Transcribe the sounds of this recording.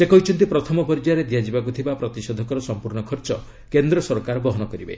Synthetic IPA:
sekɔɦit͡ʃʰɔnt̪ipɾɔt̪ʰɔmɔpɔɾid͡ʒaɾed̪ijad͡ʒibak̬ut̪ʰibapɾɔt̪isɔd̪ʱɔkɔɾɔsɔmpuɾɳɔkʰɔɾt͡ʃɔ | kend̪ɾɔsɔɾkaɾbɔɦɔnɔkɔɾibḛ

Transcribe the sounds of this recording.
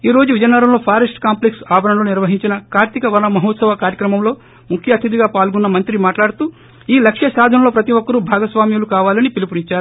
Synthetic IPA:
iːɾo̞ːd͡ʒuʋid͡ʒɐnːɐɾɐmlo̞ːpʰaːɾɐsʈkaːmpleksaːbɐnɐnloːniɾʋɐɦiɲt͡ʃinɐkaːɾt̪ikɐʋɐnɐmɐɦɔːt̪sɐʋɐkaːɾjɐkɾɐmɐmlo̞ː | mukʰjɐːt̪ʰid̪iɡaːpaːlɡunːɐmɐnt̪ɾimaːʈlaːɽut̪uː | iːlɐkʂjɐsaːd̪ʱɐnɐlo̞ːpɾɐt̪iʋɔkːɐɾubʱaːɡɐsʋaːmjulukaːʋaːlɐnipilipuniɲt͡ʃaːɾu

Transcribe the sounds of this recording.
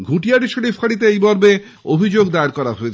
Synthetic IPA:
ɡʱuʈiaɖiʃoɽifʰaɽit̪̬eejbɔɾbe | obʱid͡ʑoɡd̪aaɾkɔɾaɦoet͡ɕʰ

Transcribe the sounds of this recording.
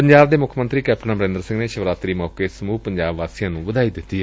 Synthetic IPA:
pəɲd͡ʒaːbd̪eːmʊkʰmə̃nt̪ɾiːkɛːp̚ʈnãːbəɾẽnd̪əɾsɪ̃ŋɡneːʃəʋɾaːt̪ɾiːmɔːkeːsəmuːpəɲd͡ʒaːbʋaːsiːãːnũːʋəd̪aːiːd̪ɪt̪ːiːɛ

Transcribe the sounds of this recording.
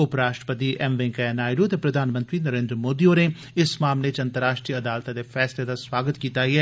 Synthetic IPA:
ʊpɾaːʃʈɾə̥pət̪iːʔɛmʋẽŋkaanaːɪɖoət̪epɾəd̪ʱaːnmə̃nt̪ɾiːnəɾẽːnd̪ɾəmoːd̪ioːne | ɪsmaːmlet͡ʃɐ̃nt̪əɾaːʃʈɾiəəd̪aːlt̪ãd̪eːfʰɛːsled̪aːswaːɡət̪kiːt̪aːɦiɛː

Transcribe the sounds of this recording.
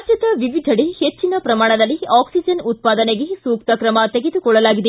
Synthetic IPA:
t͡ʃɐt̪ɐʋiʋid̪ʱɐɽehet͡ʃːinɐpɾɐmaːɳɐd̪ɐlːiaːksid͡ʒɐnut̪̚paːd̪ɐneɡesuːk̚t̪ɐkɾɐmɐt̪eɡed̪ukɔɭːɐlaːɡid̪e

